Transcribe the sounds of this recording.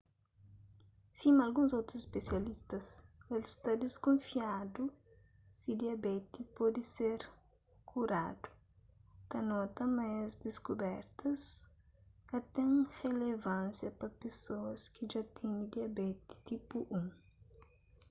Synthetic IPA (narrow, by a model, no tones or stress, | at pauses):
simɐlɡũzowt̪ɾusespesjɐlist̪ɐselst̪ɐd̪eskõnfiad̪u | sid̪iɐbɛt̪ipɔd̪iseɾ | kʰuɾad̪u̥ | t̪ɐnɔt̪ɐmajzd̪eskubɛɾt̪ʰɐs | kɐt̪ɛ̃ŋrelevãnsjɐpɐpesoɐskiʒat̪ʰɛ̃nid̪iɐbɛt̪i̥t̪ipuʔũŋ